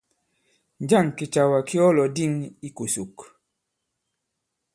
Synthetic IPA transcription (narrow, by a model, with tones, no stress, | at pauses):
nd͡ʒa˦˨ŋki˨t͡ʃa˨wa˨ki˦ɔ˦lɔ˨di˦ŋi˦ku˨su˨k